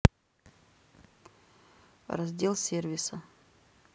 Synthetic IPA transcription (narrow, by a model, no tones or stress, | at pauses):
rɐzʲdʲelˠsʲervʲɪsə